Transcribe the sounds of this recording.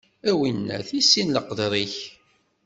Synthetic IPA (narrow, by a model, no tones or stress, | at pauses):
æwinːæ̰θisːinləqðɾˤiç